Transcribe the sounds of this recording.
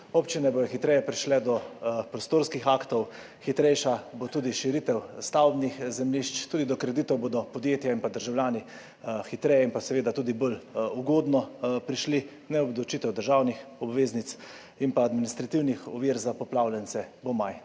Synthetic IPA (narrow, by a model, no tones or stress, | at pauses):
opt͡ʃinɛbojɔxit̪ɾɛjɛpɾiʃlɛd̪ɔpɾɔst̪oːɾskixaːkt̪ɔw | xit̪ɾɛjʃabot̪uːd̪iʃiɾit̪ɛwst̪awbnixzɛmliʃt͡ʃt̪uːd̪id̪ɔkɾɛd̪it̪ɔwboːd̪ɔpɔd̪jeːt̪jainpad̪əɾʒawljaːni | xit̪ɾɛːjɛinpasɛʋeːd̪at̪uːd̪iboluɡoːd̪nɔpɾiʃli | nɛɔbd̪lɔwt͡ʃit̪ɛwd̪əɾʒawnixɔbʋeːznit̪s | inpaːd̪minist̪ɾat̪iwnixɔʋiːɾzapɔplawljɛnsɛbɔmaj